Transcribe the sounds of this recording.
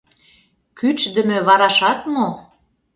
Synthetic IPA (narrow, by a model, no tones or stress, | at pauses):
kyt͡ʃd̪ə̆mɘ̆βɑɾɑʃɑt̪mo